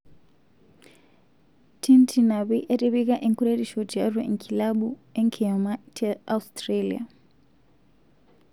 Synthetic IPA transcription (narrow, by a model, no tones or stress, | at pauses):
tʰintʰinaβiʔeɾiβik̬ʼaʔiŋkʰuɾeɾiʃɔd͡ʒiarwḛŋkʰilaɓueŋkʰiamatʰiaustʼralḭa̰